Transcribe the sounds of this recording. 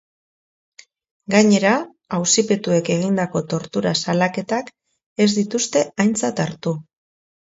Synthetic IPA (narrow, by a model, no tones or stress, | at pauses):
ɡaɲe̞ɾaː | wsipe̞t̪ue̞ke̞ɣ̞ind̪ako̞t̪o̞ɾt̪uɾasalake̞t̪ak | e̞zd̪it̪ust̪e̞ajnt͡sat̪aɾt̪u